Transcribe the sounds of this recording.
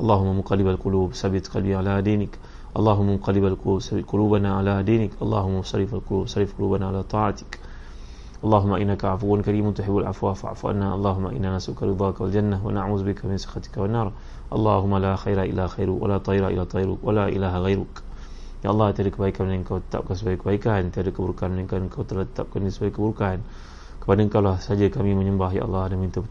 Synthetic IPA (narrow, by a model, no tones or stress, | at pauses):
ʔɑlˤːɑːhʊmːamʊqɑlɪbalqʊluːbsabɪt̪qɑlbiʕalad̪iːnɪk | ʔɑlˤːɑːɦʊmːaqɑlɪbalsaqʊluːbanaʕalad̪iːnɪkʔɑlˤːɑ̰ːhʊmːaʊsˤɑɾːɪfalqʊluːbsˤɑɾˤːɪfqʊlṵːbanaʕalaːt̪ˤɑːʕat̪ɪ̥k | ʔɑlˤːɑːɦʊmːaʔɪnːakaʕafuwːankaɾiːmant̪ʊħɪbːalʕa̰fwaːfaʕa̰fuʔa̰nːaʔɑlˤːɑːɦʊmːa̰ʔɪ̰nːaːnasʊkaɾɨd̪ˤɑːkawald͡ʒanːawa̰naʕuːzbɪkamɪnsˤɨ̥xat̪ɪ̥kawanːɑːɾˤ | ʔɑlˤːɑ̰ɦʊmːalaxajɾaʔɪ̰lːaxajɾʊwa̰lat̪ˤɑjɾaʔɪ̰lːat̪ˤɑjɾʊkwalaʔḭlaːɦaɣajɾʊk | ja̰ʔɑlˤːɑht̪əadəkəbaikanaŋkawt̪ə̥t̪a̰p̚kansəbaikəbaikant̪iadəkəbuɾkanaŋkanŋkawt̪əlat̪ə̥t̪ap̚kandisəbaikəbuɾkaan | kəpadaŋkawlasad͡ʒakamiməɲəmbahja̰ːʔɑlˤːɑːhadamint̪abt̪